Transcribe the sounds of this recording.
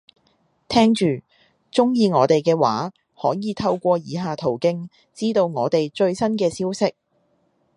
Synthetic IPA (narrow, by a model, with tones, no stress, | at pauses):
t̪ʰɛː˥ŋt͡ʃyː˨ | t͡ʃʊ˥ŋjiː˧ŋɔː˨˧t̪e˨jkɛː˧waː˨˥ | hɔː˨˥jiː˨t̪ʰɐ˧wkʷɔː˧jiː˨˧ɦaː˨t̪ʰo˨˩wkɪ˥ŋ | t͡siː˥t̪o˧wŋɔː˨˧t̪e˨jt͡ʃɵ˧ɥsɐ˥nkɛː˧siː˥wsɪ˥k̚